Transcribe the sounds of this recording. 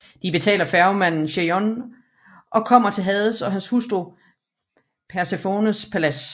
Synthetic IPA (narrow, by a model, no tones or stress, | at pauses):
d̥ib̥e̝t͡sʰɛ̰ːlɐfæɐʊmæn̰n̩ɕeɒn | ʔɒ̽kʰɒ̽m̰ɐt͡sʰe̝lɦɛðˠəsɒ̽ɦænshusd̥ʁu | pʰæɐsefoːnəspʰælæs